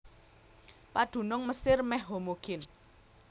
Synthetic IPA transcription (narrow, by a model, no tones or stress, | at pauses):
paɖ̪̥ṳnʊŋməsɪrmɛhɦomoɡ̥ɪn